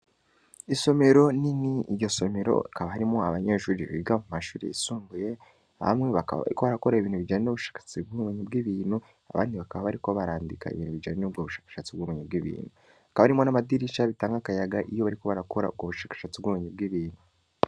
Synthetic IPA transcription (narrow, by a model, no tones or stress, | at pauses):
iso̞me̞ɾo̞niniɟo̞so̞me̞ɾo̞̰ikaβahaɾimo̞aβaɲeʃuːɾiβiɡamumaʃuːɾḭisuːmbuje̞ | a̰βa̰mŋeβakaβa̰βa̰ɾikoβaɾakoɾaiβiːnhuβid͡ʒaːɲenoβuʃḁːkḁt͡sib̚ɡumeɲib̚ɡiːβiːn̥hu | a̰βʔa̰ːndiβakaβaβaɾiko̞βaɾaːndika̰ḭβiːnhuβid͡ʒaːɲenobɡoβuʃḁːkḁʃat͡sibɡumeɲibɡiβḭːnhu | akaβaaɾimo̞namadiɾiʃaβitaːŋɡakajaɡaʔijo̞βaɾikoβaɾakoɾa̰ub̚ɡoβuʃaːkḁʃat͡sibɡumeɲib̚ɡiβiːnhu